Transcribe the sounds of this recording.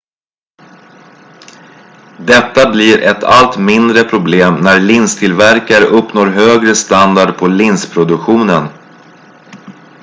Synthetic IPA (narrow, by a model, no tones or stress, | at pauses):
d̪ɛt̪ːabliːɾʔɛt̪ʰa̰lt̪mɪnd̪ɾəpʰɾʊbleːmnæɾɭɪnst̪ʰɪlvæɾkaɾəʔɵpːnoːɾɦøːɡɾəst̪and̪aɖpʰɔlɪnspʰɾʊd̪ɵkɧuːnən